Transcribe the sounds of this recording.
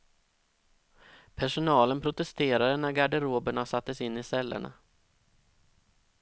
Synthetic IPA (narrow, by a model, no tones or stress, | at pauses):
pʰæʂʊnɑːlənpʰɾʊt̪ɛst̪ʰeːɾaɾənæɾɡaɖɛɾoːbəɳasat̪ːəsɪnːɪsɛlːə̰ɳa̰